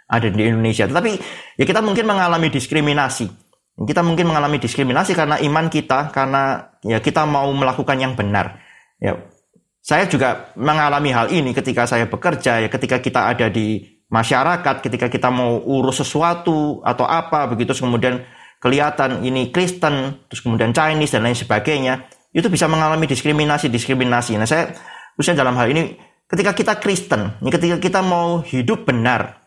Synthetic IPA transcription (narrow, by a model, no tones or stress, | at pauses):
ʔadadiːndonesiat̪ət̪apijakit̪amuŋkɪnməŋalamidiskɾiminasi | akit̪amuŋkɪnməŋalamidiskɾiminasikaɾənaʔimankit̪akaɾənajakit̪amauməlakukanjaŋbəna̰r | ja̰ | sajad͡ʒuɡaməŋalamiɦalinikət̪ikasajabəkərd͡ʒajakət̪ikakit̪aadadi | maʃaɾakat̪̚kət̪ikakit̪amauʔuɾʊsːəsuat̪ua̰t̪awʔapabəɡit̪uskəmudiankəliat̪aninikɾist̪ənt̪ʊskəmudiant͡ʃajnɪsdanlaɪnsəbaɡaɲa | it̪ubisaməŋalamidiskɾiminasidiskɾiminasinahsajat̪əɾusɲadalamɦalini | kət̪ikakit̪akɾist̪ənnkət̪̬ikakit̪amauhidʊp̚b̥ənar